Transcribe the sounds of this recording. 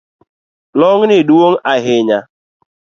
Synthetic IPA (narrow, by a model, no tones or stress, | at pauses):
lɔŋ̩nɪduwoŋ̩ʔaɦɪɲa